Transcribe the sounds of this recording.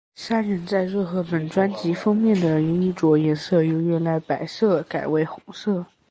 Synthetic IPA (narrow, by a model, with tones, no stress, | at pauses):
sa˥nɻə˧˥nt͡sa˥˧ɪɻɤ˥˩xɤ˧˥pə˨˩nʈ͡ʂwa˥nt͡ɕi˧˥fɑ˥ŋmjɛ˥˩nd̪ə˩jo˧˥i˥˩t͡swɔ˧˥jɛ˧˥nsɤ˥˩jo˧˥ʊɥɛ˥˩la˧˥pa˨˩ɪsɤ˥˩ka˨˩ɪwe˥˩ɪxʊ˧˥˦ŋsɤ˥˩